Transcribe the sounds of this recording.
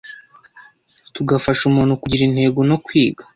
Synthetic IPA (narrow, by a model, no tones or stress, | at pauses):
tuɡafaʃumuːnhukuɟiɾinhe̞ːɡono̞kwiːɡa